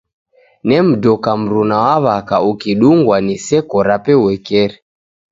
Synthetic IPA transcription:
nɛm̩dɔkam̩ɾunawaβakaukiɗuŋɡwanisɛkɔɾapɛwɛkɛɾɛ

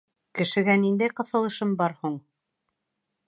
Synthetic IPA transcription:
kɘ̆ʃɘ̆ɡænind̪æjqɤ̆θɤ̆lˠɤ̆ʃɤmbɑɾhuɴ

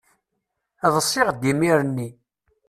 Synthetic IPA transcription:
æðˤəsˤːɪʁd̪ːimiɾnːi

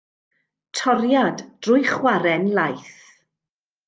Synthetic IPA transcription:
tʰɔɾjadd̥rʊjχwaɾɛnlajθ

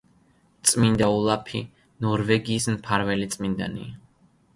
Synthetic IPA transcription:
t̪sʼmind̪aulˠapʰi | nɔɾvɛɡiːsmpʰaɾvɛlit̪sʼmind̪a̰nḭa

